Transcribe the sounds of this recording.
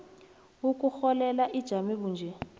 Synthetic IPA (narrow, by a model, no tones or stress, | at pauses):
wukuxɔlɛlaʔid̥ʒ̥ʱamiβuːnd͡ʒʱɛ